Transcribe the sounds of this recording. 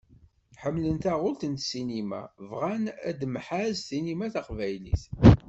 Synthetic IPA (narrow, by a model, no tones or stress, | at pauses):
ħəmːlənt̪æʁʊlt̪ənt̪sinimæ̰vʁænæ̰d̪mħazθinimæθaqvæjlḭθ